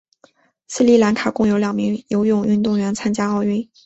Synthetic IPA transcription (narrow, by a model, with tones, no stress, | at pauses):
sɹ̩˥˧li˥˩la˧˥nkʰa˨˩kʊ˥ŋjo˧˥ʊljɑ˨˩ŋmi˧˥ŋjo˧˥ʊjʊ˥˧ŋy˥˧nt̪ʊ˥˩ŋɥɛ˧˥nt͡sʰa˥nt͡ɕja˥ɑ˥˧ʊy˥˩